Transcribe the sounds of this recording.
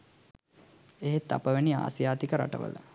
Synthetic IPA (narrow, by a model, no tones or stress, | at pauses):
eɦet̪ːapəʋenia̰ːsjaːt̪ikəɾa̰ʈə̰ʋə̰lə̰